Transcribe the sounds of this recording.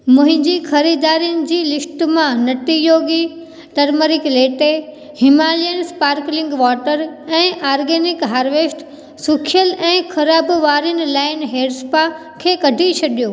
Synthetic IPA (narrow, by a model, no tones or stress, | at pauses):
mʊ̃ɦɪ̃ɲd͡ʑixɐɾiːd̪aːɾijʊnɪ̆d͡ʑiːlɪsʈmãnɐʈ̪ijoːɡi | ʈɐɾməɾɪkleːʈe | hɪmaːlenɪspaːɾklɪ̃ŋɡʋɔːʈəɾɛ̃ːʔaːɾɡeːnɪkɦaːɾʋeːsʈ | sʊkʰɪjəlɛ̃ːxʰɐɾaːbʋaːɾjənɪ̆laːɪnɦeːɖspa | kʰeːkɐɖʱit͡ɕʰɐɗijoː